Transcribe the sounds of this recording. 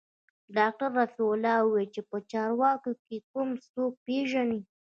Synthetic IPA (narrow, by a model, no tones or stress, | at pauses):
ɖɑk̚ʈaɾːasolɑwəwelt͡ʃepət͡ʃɑɾwɑkokekumst̪ok̚peʒani